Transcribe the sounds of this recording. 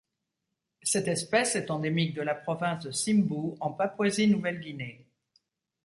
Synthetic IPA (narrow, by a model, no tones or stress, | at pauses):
sɛt̪ɛspɛsɛt̪ɑ̃d̪emik̚d̪əlapχɔvɛ̃sd̪əsimbuɑ̃papwazinuvɛlɡʲine